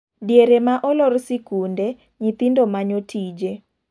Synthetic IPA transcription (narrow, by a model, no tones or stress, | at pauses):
djeɾemaʔɔlɔrsikunde | ɲit̪indomaɲotʰid͡ʒe